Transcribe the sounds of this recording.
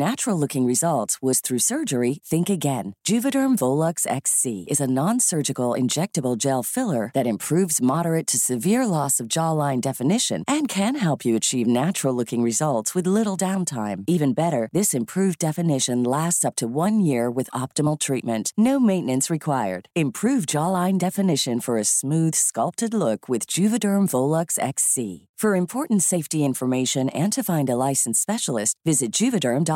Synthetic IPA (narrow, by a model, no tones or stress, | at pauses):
næt͡ʃɹl̩ˠlʊkɪ̃ŋɹɨzʌlˠtswʌz̥θɹʉsɜ˞d͡ʒə˞iθɪ̃ŋkɨɡɛ̃nd̥ʒ̥ʉvɨɾə̃˞ɱvoʊlˠəksɛ̰ksiɨzənɑ̃nsɜ˞d͡ʒɨkl̩ˠɪ̰̃nd͡ʒɛk̚tɨbl̩ˠd͡ʒɛlˠfɪlˠə˞ðɨɾɨ̃mpʰɹ̥ʉvzmɑɾə˞ɨtʰɨsɨvɪɹlɔsʌvd͡ʒɑlãɪ̃ndɛfɨnɪʃɨ̰̃nʔɨ̃nkʰɨ̃nɦɛlˠpʰjɨɨt͡ʃʰivnæt͡ʃɹl̩ˠlʊkɪ̃ŋɹɨzʌlˠtswɨðlɪɾl̩ˠdãʊ̃ntʰãɪ̃mivɨ̃nbɛɾə˞ðɪsɨ̃mpʰɹ̥ʉvdɛfɨnɪʃɨ̃nlæstsʌp̚tʰɨwʌ̃njɪɹwɨðɑp̚tɨml̩ˠtʰɹ̥it̚mɨ̃nnoʊmẽɪ̃nɨ̃nsɹɨkʰw̥aɪə̰˞d̥ɨ̃mpʰɹ̥ʉvd͡ʒɑlˠãɪ̃ndɛfɨnɪʃɨ̃nfə˞ɨsmʉð̥skʌlˠp̚tɨdˡlʊkʰwɨðd͡ʒʉvɨdɜ̃˞ɱvoʊlˠʌksɛ̰ksḭfə˞ɨ̃mpʰɔɹʔn̩tseɪftiɪ̃ɱfə˞meɪʃɨ̃nɨ̃ntʰɨfãɪ̃ndəlaɪsn̩spɛʃl̩ˠɨstvɪzɨt̚d̥ʒ̥ʉvɨdɜ̃˞md